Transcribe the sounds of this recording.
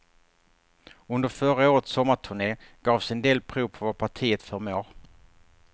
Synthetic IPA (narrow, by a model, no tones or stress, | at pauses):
ɵnd̪əɾfœɾaoːɾət̪sɔmːaʈ̪ʰɵɳeːɡ̥ɑːvsɛnd̪eːlpʰɾuːvpʰɔvapʰaʈʰiːət̪fœɾmoːɾ